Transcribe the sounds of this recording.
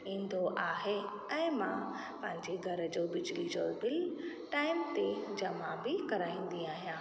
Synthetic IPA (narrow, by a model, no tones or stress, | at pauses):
ĩːnd̪ʱoʔaːɦe | ɛ̃ːmã | pɐ̃ɦɪ̃ɲd͡ʑeɡʱɐɾəd͡ʑoːbɪd͡ʑlid͡ʑoːbɪl | ʈaːɪmt̪ed͡ʑɐmãbɪkɐɾaːĩːn̆d̪iaːɦijãː